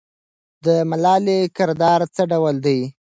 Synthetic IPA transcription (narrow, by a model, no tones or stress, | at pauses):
d̪əmalɑlekɪɾd̪ɑɾt͡səɖawəld̪aj